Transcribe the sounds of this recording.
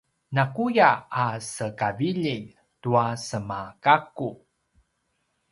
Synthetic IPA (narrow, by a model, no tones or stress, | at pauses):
nakujaːsəkaviʎi | tuasəmakaku